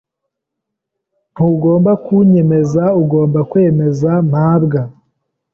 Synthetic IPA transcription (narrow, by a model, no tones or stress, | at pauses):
n̥uɡo̞ːmbakuɲe̞me̞zauɡo̞ːmbakwe̞ːme̞zam̥haːbɡa